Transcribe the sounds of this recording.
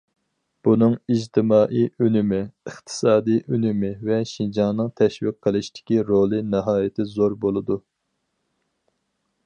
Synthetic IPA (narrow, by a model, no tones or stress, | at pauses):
b̥unɨŋid͡ʒt̪ʰɪmɑːʔijʔynɪmɪɨχt̪ʰɨ̥sɑːd̪ijʔynymɪvɛʃind͡ʒɑŋnɨŋt̪ʰɛʃwiq̚ʰːəlˠɨʃt̪ʰɪ̥kʲiɾolˠɨnɨɦɑːjɪt̪ʰɪzoɾbolˠɨd̪u